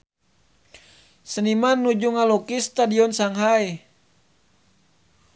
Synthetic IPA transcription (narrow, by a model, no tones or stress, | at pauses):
sənimanːud͡ʒuŋalokist̪adiɔnsaŋɦaj